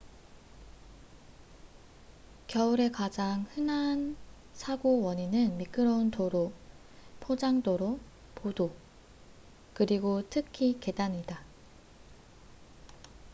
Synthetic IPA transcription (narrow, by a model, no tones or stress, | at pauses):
kjʌuɾe̞kad͡ʑaŋhɯnan | sʰaɡowʌɲinɯnmik͈ɯɾʌuntoɾo | pʰod͡ʑaŋdoɾo | podo | kɯɾiɡotʰɯkʰike̞daɲida